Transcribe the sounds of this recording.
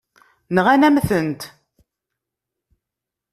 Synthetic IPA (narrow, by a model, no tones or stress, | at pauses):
nəʁænæmθənt̪